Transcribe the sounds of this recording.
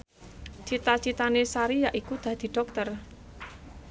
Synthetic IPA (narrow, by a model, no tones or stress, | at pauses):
t͡ʃit̪at͡ʃit̪anesaɾijaʔikud̪̥a̤d̪̥i̤ɖ̥ɔ̤k̚t̪ər